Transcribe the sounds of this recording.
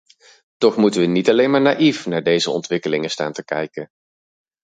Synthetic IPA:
tɔχmutəʋənitɑlejnmaːɹnaːʔifnaːɹdejzəɔ̰ntʋɪkəlɪŋəsta̰ːntəkɛ̰jkən

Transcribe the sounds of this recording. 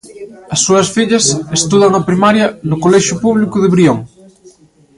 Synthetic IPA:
ɐsːuɐsfiʎɐsest̪uðɐŋɐpɾimaɾjɐnʊkolɛʃjʊpuβlikʊðɪβɾioŋ

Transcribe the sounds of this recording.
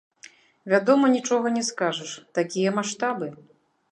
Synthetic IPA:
vʲad̪ɔmɐnʲit͡ʂɔɣɐnʲɛskaʐɐʂt̪akʲijɛmaʂt̪abɨ

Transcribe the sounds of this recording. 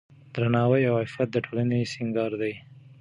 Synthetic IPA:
d̪ɾanɑwəjawhafat̪̚d̪əʈʰolanesɪŋɡɑɾd̪aj

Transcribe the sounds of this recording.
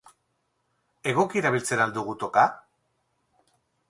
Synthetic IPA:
e̞ɣo̞kieɾaβ̞ilt͡se̞ɾald̪uɣ̞ut̪o̞ka

